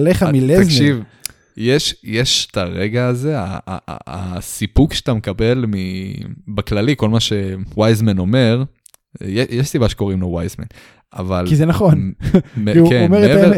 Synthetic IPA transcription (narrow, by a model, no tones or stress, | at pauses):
leχamileaʃiv | jeʃjeʃt̪aʁeɡaːze̞a̰ːsipukʃe̥t̪amekabe̞lmibaklaliko̞lmaʃewajzmeno̞me̞ʁ | jejeʃsibaʃeko̞ʁimlowajzmḛn | a̰valizenaχonmeemeʁeteve